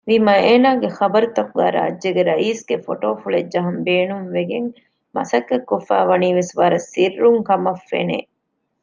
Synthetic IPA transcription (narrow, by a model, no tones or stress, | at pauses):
ʋimɐeːnaːɡexɐbɐɾut̪ɐkuɡæ̰ːɾa̰ːd͡ʒeɡeɾɐʔiːsɡefo̰ʈoːfuɭed͡ʒd͡ʒɐɦɐmbeːnumʋeɡeŋ | mɐ̰sɐkːɐkːofæ̰ːʋɐniːʋesʋɐɾɐsirːuŋkɐmɐfːḛnḛː